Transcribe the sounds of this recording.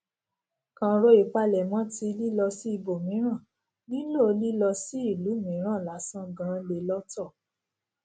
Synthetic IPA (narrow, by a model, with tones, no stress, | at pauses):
kã˧ɾo˦i˨k͡pa˧lɛ˨mã˦ti˧li˦lɔ˧si˦i˧bo˨mĩ˨˦ɾ̃ã˦˨ | nĩ˦lo˦˨o˧li˦lɔ˧si˦i˦˨lu˨˦˨mĩ˨˦ɾ̃ã˦˨la˨˦sã˦ɡã˨˧le˧˨lɔ˦tɔ˦˨